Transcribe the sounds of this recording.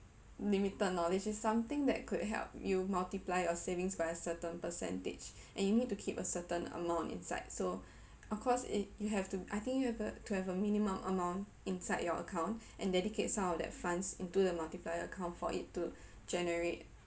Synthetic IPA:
limitəd̚nɔlid͡ʒɪsːãmt̪ɪ̃ŋdɛ̰t̚kʰud̚ɦɛ̰lp̚jumaltiplaɪɔsevɪ̃ŋsbaɪəsətə̃npəsɛ̰̃ntɪ̰d͡ʒ | ʔɛ̃njunid̚tːukʰipəsətə̃nə̰mãʊ̃ntḭ̃nsa̰ɪdso | ɔfkʰɔsḭjuɦɛftuʔajt̪ĩŋkjuhɛvətuhɛvəmĩnimə̃mʔə̰mãʊ̃nt | ĩnsaɪdjɔʔə̰kʰãʊ̃ntʔɛ̃ndɛdikʰet̚sãmɔfdɛ̰t̚fãnsĩntudəmaltiplajəəkʰãʊ̃ntfɔ̰ʔḭtːu | d͡ʒɛnəɹet̚

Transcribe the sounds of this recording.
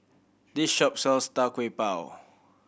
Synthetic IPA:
disʃɔp̚sɔlstakwepaw

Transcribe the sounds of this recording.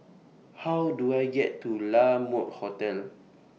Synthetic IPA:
hawduajɡɛtːulamɔt̚hɔtɛl

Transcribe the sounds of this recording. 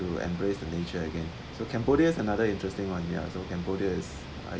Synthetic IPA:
uɛ̰̃mbɹesdənet͡ʃəəɡɛ̃n | sokʰɛ̃mboɾiəɪsənadəɪ̃ntɹɛstɪ̃ŋwãnja̰sokɛ̃mbodiəɪs | a̰

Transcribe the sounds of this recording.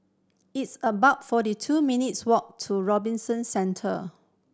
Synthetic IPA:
itsəbaʊtfɔɾitʰuminitswɔk̚tʰuɹɔbĩnsə̃nsɛ̃ntʰə̰

